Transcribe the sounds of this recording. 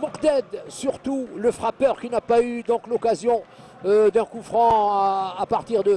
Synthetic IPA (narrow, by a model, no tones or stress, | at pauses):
muqd̪ɛd̪syʁt̪uləfχapœʁkʲinapayd̪ɔ̃klɔkazjɔ̃ | ød̪ɛ̃kufχɑ̃aːpaʁt̪iʁd̪ə